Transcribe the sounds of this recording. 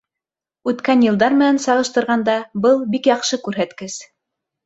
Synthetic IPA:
ʉt̪kænjɤ̆lˠd̪ɑɾmɘ̆nænsɑʁɤ̆ʃt̪ɤ̆ɾʁɑnd̪ɑbɤlˠbikjɑqʃɤkʉɾɦæt̪kɘs

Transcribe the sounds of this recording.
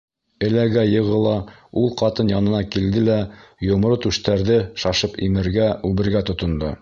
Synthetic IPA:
ɘ̆læɡæjɤ̆ʁɤ̆lˠɑulˠqɑt̪ɤnjɑnɤ̆nɑkild̪ɘlæjŏmɾot̪ʉʃt̪æɾðɘʃɑʃɤpimɘ̆ɾɡæʉβɘ̆ɾɡæt̪ŏt̪ŏnd̪o

